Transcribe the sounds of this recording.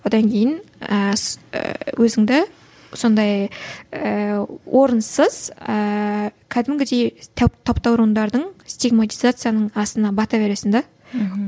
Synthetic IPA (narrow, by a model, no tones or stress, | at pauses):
wo̞d̪ɑŋkʲʰejɪnə̰ | wʔɵzɪŋd̪ɪ | so̞nd̪ɑj | əwʔoɾənsəz̥əkʲʰæd̪ɪmɡʲɪd̪e̞j̪ʰt̪ʰɑpt̪ɑwɾuənd̪ɑɾd̪əɴst̪iɡmat̪ijzat̪sɨjanəɴɑst̪ənɑbɑt̪ɑbe̞ɾe̞sɪnd̪ɑ